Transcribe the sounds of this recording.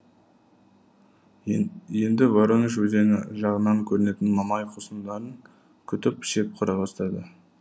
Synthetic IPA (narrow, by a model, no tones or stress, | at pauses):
je̞nd̪ɪwoɾəŋəʃwɵze̞nɪʒɑʁənɑŋkʲʰɵɾɪne̞t̪ɪnmɑmɑjqʰosəmd̪ɑɾəŋ | kʲʰʏt̪ɪpʃe̞p̚qʰʊɾɑbɑst̪ɑd̪ə